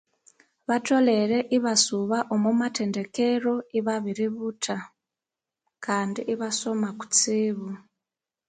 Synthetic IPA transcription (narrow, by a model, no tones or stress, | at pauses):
βato̞lereʔiβasuβaʔomumatʰe̞ndekero̞iβaβiɾiβutʰa | kandiʔiβasomaku̥t͡siːβu